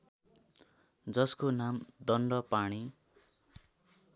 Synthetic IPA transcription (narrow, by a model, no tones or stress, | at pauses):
d͡zʌskonamd̪ʌnɖʌpaɽ̃i